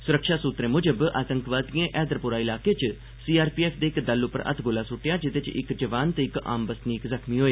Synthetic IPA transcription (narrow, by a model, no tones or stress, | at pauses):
sʊɾəkʃaːsuːt̪ɾẽːmʊd͡ʒəba̰ːt̪əŋkʋaːd̪iẽʔɛːd̪ɾəpʊɾaːɪlaːkeːt͡ʃ | siːaːɾpiːɛːpʰd̪eːkd̪əlʊpːəɾə̰t̪ʰɡoːlaːsʊʈːjaːd͡ʒɪt̪et͡ʃɪ̰kd͡ʒəʋaːnt̪eɪka̰ːmbəsniːkzəkʰmiːɦoːeː